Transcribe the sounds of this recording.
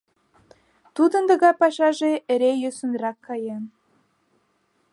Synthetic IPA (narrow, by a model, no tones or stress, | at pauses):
t̪ud̪ə̆nd̪ə̆ɣɑpɑʃɑʒeeɾejøsunɾɑkːɑjen